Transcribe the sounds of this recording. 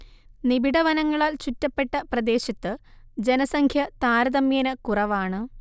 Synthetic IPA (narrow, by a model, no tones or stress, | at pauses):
nibiɽɐʋɐnɐŋːɐɭaːlt͡ɕutːɐpːe̞ʈːɐprɐd̪e̞ːɕɐt̪ːɨd͡ʑe̞nɐsɐŋkʰjɐt̪aːɾɐðɐmjeːnɐkurɐʋaːɳɨ